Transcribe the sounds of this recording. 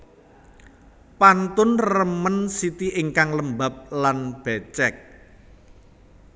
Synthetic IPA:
pant̪ʊnrəmənsit̪iʔɪŋkaŋləmbap̚lanb̥ɛt͡ʃɛk̚

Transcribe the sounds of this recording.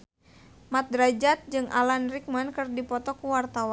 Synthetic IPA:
mat̪̚dɾad͡ʒat̪̚d͡ʒɨŋʔa̰lanrik̚mankɨrdipɔt̪ɔkuwart̪awa

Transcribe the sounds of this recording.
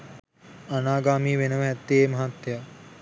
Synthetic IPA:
ɐnaːɡaːmiːʋenɐʋɐɦɐt̪ːeːmɐɦat̪ja

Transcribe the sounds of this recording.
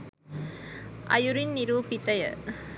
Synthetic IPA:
ʔɐ̰jʊɾɪnnɪɾuːpɪt̪ːɐjɐ̰

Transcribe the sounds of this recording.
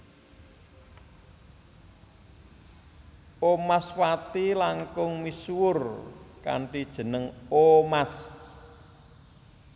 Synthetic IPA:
ʔomaswat̪ilaŋkʊŋmiswʊrka̰ɳʈid̥ʒ̥ə̤nəŋomas

